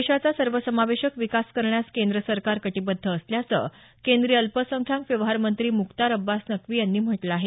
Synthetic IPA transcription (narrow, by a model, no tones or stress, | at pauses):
ɕat͡sasəɾʋəsəmaʋeɕəkʋikaskəɾɳjaskend̪ɾəsəɾkaɾkəʈibəd̪ʱːəːsljat͡sə̰ | kend̪ɾiːəlpəsəŋkʰjãmkʋjəʋɦaɾmənt̪ɾiːmukt̪aɾəbːasnəkʋiːjanːiːm̤əʈlaaːɦe